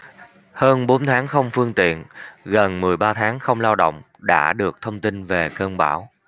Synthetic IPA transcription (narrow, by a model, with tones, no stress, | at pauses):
həː˧nɓo˨˦nt̪ʰaː˨˦ŋxə˧wŋ͡mfɨ˧əŋt̪ḭ˧˨ənɣə˨˩nmɨ˨˩əjɓaː˧t̪ʰaː˨˦ŋxə˧wŋ͡mlaː˧wɗo̰˧˨wŋ͡m | ɗa̰ː˧˥ɗɨ˨˩ək̚t̪ʰə˧wŋ͡mt̪i˧nve˨˩kəː˧nɓaː˧˩w